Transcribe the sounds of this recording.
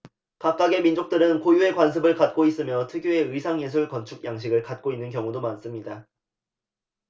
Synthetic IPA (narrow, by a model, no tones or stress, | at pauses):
kap̚k͈aɡe̞mind͡ʑok̚t͈ɯɾɯnkojue̞kwans̬ʰɯbɯɭkat̚k͈ois͈ɯmjʌtʰɯɡjoe̞ɯisʰaŋjes̬ʰuɭkʌnt͡ɕʰuk̚jaŋɕʰiɡɯɭkat̚k͈oinːɯnkjʌŋudomans͈ɯmɲida